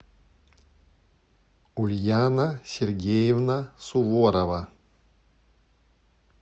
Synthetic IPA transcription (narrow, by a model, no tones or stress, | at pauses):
ulʲjanasʲerɡʲejevnasuvoɾava